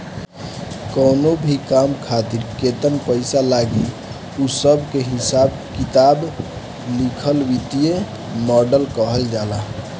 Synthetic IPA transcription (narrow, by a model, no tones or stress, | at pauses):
kɔːnobʱikamkʰat̪iɾket̪ənpəɪsalaɡi | usəbʱkeɦɪsaːb | kit̪aːb | likʰəlwit̪ije | mɔːɖəlkəɦəld͡ʒaːla